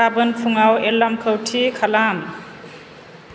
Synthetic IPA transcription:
abənpʰuŋawelamkʰʌwʈʰikʰalam

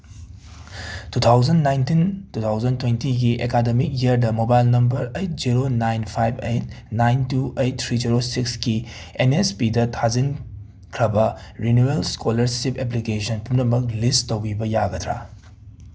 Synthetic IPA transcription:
tutʰawzɐnːajntintutʰawzɐntwentiɡiʔekademik̚jiɐɾdɐmobajlnɐmbɐɾejt̚ziɾonajnpʰajbejt̚ | najntuejt̚tʰːɾiziɾosikski | enespidɐtʰazin | kʰɾɐbɐɾinuelskolɐɾsipep̬likesɐnpumnɐmɐk̚listtːowbibɐjaɡɐtʰɾa̰

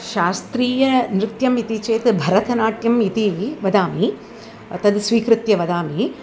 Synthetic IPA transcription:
ʃaːst̪ɾiːjɐnɾɪt̪jɐmit̪it͡ʃeːt̪bʱɐɾɐt̪ʰɐnaːʈjɐmit̪iʋɐd̪aːmi | t̪ɐd̪sʋiːkɾɪt̪jɐʋɐd̪aːmi

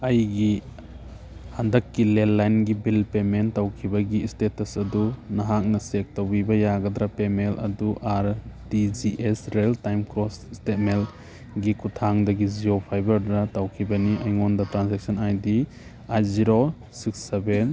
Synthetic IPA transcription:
ɐjɡi | handɐkːilelːajnɡibilpementawkʰibɐɡiːstetɐsɐdunɐɦak̚nɐsek̚tawbibɐjaɡɐd̪ɾapemelɐduʔaɾdid͡ʒiʔesɾeltajmkɾɔsistet̚mel | ɡikutʰaŋdɐɡiziopʰajbɐɾdɾatawkʰibɐniɐjŋondɐtɾansek̚sʰɐnajdi | ajziɾo | sikseben

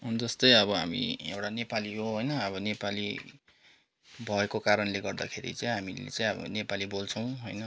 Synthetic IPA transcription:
und͡zʌst̪ʌjʌbʌɦa̰mḭewʈanepaliɦoɦojnʌʌβʌnepali | bʱʌekokaɾʌnleɡʌrd̪a̰kʰeɾḭt͡saj̃ɦamḭlḛt͡sãj̃ʌbʌ̰nepalibolt͡sʰʌw̃ɦojnʌ

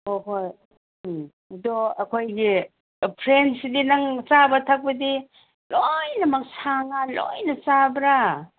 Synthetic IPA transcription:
oɦoj | doɐkʰojɡi | pʰɾensidinɐŋt͡ʃabɐtʰak̚bɐdi | lojnɐmɐk̚saŋalo̰jnɐt͡ʃabɾa

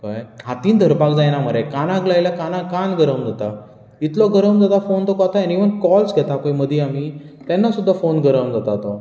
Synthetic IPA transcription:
kajɦat̪iːnd̪ʱəɾpakd͡zajnaməɾɛkanaɡlajlakanakanɡəɾəmd͡zat̪a | it̪lɔɡəɾəmd͡zat̪afont̪ɔkɔt̪ajaniʋənkɔlsɡʱɛt̪apəjməd̪ʱjamiː | t̪ɛnːasud̪ʱːafonɡəɾəmd͡zat̪at̪ɔ

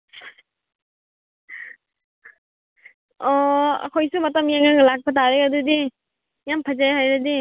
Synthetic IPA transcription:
ɔ̰kʰɔjsumatamjaŋaŋlak̚pʰataɾɛadudi | jampʰazajɦajɾadi

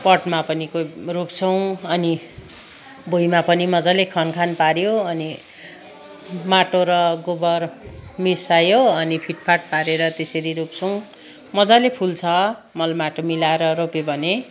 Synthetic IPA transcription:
pʌʈmapʌnikoropt͡sʰʌw̃ʌni | bʱojmapʌnimʌd͡zalekʰʌnkʰanpaɾjoʌni | maʈoɾʌɡobʌrmisajoʌnipʰiʈpʰaʈ̚paɾeɾʌt̪esʌɾiɾup̚t͡sʰʌw̃ | mʌd͡zalepʰult͡sʰʌ | mʌlmaʈomilaeɾʌɾopebʱʌne

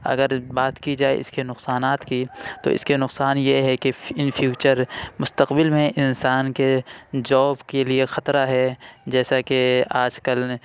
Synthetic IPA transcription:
ɐ̰ɡəɾbaːt̪kid͡ʒaːḛɪ̰skenʊqsaːnaːt̪kit̪o̰ʔɪ̰skenʊqsaːnjeɦɛkeɪnfʰjuːt͡ʃəɾmʊst̪əqbɪlmẽʔɪnsaːnked͡ʒɔːbkeliexɐt̪ɾaɦɛd͡ʒɛːsakeaːd͡ʒkəl

